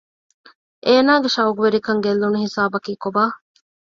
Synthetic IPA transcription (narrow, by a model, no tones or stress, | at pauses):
ʔeːnaːɡeʃɐwɡuʋeɾikɐŋɡelːunuhisaːbɐkiːkobaː